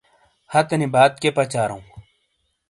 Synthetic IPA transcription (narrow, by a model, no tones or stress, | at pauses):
hɐt̪ɐnibaːt̪̚kepɐt͡ɕaːɾɐ̰ũ